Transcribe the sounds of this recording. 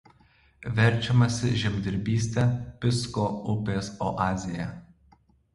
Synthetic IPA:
ʋʲɛɾʲˑt͡ʃʲɛmɐsʲɪʒʲɛmʲd̪ʲɪɾʲbʲiːsʲt̪ʲɛpʲɪskoːʊpʲeːsɔ̰ʔɑːzʲɪjɛ̰

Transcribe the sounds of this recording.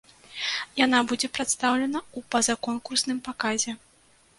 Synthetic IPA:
janabud͡zʲɛpɾat̪st̪awlʲɛnɐupɐzɐkɔnkursnɨmpakazʲɛ

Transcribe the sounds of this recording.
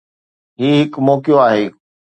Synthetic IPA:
ɦiːɦɪkmɔːkijoaːɦeː

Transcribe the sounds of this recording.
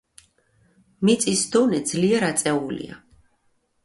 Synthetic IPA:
mit̪sʼisd̪ɔnɛd̪zliɛɾat̪sʼɛulḭa̰

